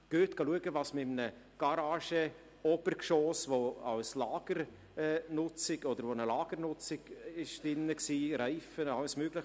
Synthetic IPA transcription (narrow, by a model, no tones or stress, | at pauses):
ɡ̥øːt̪ɡ̥ɑluəɡəvɑsmɪmnə | ɡ̥ɑɾɑːʃə | ɔbəɾkʃoːsʋoɑlslɑːɡ̥əɾ | ɛːnʊt͡sɪɡ̥ɔd̪əɾʋonəlɑːɡ̥əɾnʊt͡sɪɡ̥ɪʃdɪnːəksiːɾæɪfənɑlsmøːɡ̥lɪx